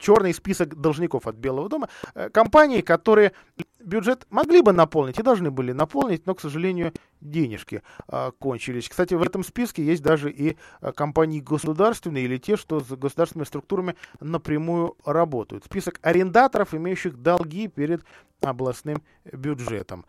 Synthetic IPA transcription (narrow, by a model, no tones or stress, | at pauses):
t͡ɕo̞rnɨjspʲisəkd̪əlˠʐnʲɪko̞fɐt̪̚bʲe̞lˠəvəd̪o̞məkɐmpanʲɪːkɐt̪o̞ɾɨjə | bʲʊʐɛt̪mɐɡlʲibɨnɐpo̞lˠnʲɪtʲɪd̪ɐlˠʐnɨbɨlʲɪnɐpo̞lˠnʲɪtʲno̞ksəʐɨlʲenʲɪjʊ | dʲenʲɪ̰ʂkʲɪ̰ko̞nʲt͡ɕɪlʲɪsʲkst̪atʲɪvɛt̪əmspʲiskʲɪjesʲt̚ʲd̪aʐɨʔikɐmpanʲɪːɡəsʊd̪arst̪vʲɪnːəilʲɪtʲeʂt̪o̞zɡəsʊd̪aɾrsʲnəmɪst̪ɾʊk̚t̪uɾəmʲɪnəpɾʲɪmujʊrɐbo̞t̪ə̰jʊ̰t̪spʲisəkɐɾʲɪnd̪at̪əɾəfɪmʲejʉɕːɪxd̪ɐlˠɡʲipʲeɾʲɪd̪ | ɐblˠɐsnɨm | bʲʊʐɛ̰t̪ə̰m